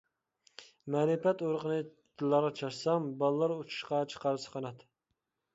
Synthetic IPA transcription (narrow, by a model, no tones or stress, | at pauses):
mɛɾɨpɛt̪oɾəqənɨ | t̪ʰɨlˠːɑɾʁɑt͡ʃʰɑʃsɑmbɑlˠlːˠɑɾut͡ʃʰu̥ʃqɑt͡ʃʰə̥qɑɾɨsə̥qʰɑnɑt̪